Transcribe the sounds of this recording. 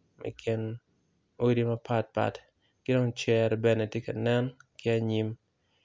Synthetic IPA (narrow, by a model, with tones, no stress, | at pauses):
mʔɛ̰˨kʰɪ˨n | o˦di˦mɐ˦pa˦t̚pa̰˨t | kɪ˦do˦ŋt͡ʃɛ˨ɾbɛ˦ne˨tje˦ka˨nɛ˦nkɪ˦a˦ɲi˦m